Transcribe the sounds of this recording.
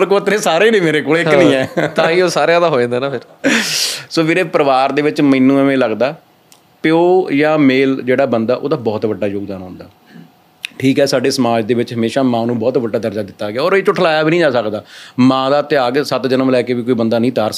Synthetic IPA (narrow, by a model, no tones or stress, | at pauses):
ɾkoːt̪ɾẽːsaːɾeːnẽːmeːɾeːkoːleːkːnĩːɛːt̪ãːĩːoːsaːɾejãːd̪aːɦoːẽːnd̪eːnaːpʰɪɾ | soːmeːɾeːpəɾəʋaːɾd̪eːʋɪt͡ʃmiːnːũːəmẽːləɡd̪aː | pjoːjãːmeːld͡ʒeːɽaːbənd̪aːʔo̰ːd̪aːbɔːt̪bəɖːaːjoːɡ̚d̪aːnɔ̰̃ːnd̪aː | ʈʰiːkɦɛːsaːɖeːsəmaːd͡ʒd̪eːʋɪt͡ʃɦəmeːʃaːmãːnũːbɔːt̪bəɖːaːd̪əɾd͡ʒaːd̪ɪt̪ːaːɡeaːɔːɾeːt͡ʃʊʈʰlaːjaːbiːnĩːd͡ʒaːsəkd̪aːmãːd̪aːt̪ɪjaːɡsət̪d͡ʒənəmlɛːkeːʋiːkoːiːbənd̪aːnəĩːt̪aːɾs